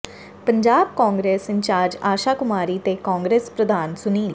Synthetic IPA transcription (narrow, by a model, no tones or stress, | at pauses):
pəɲd͡ʒaːbkãːŋɡɾeːsɪɲt͡ʃaːɾd͡ʒaːʃaːkʊmaːɾiːt̪eːkãːŋɡɾeːspɾəd̪ʱaːnsʊniːl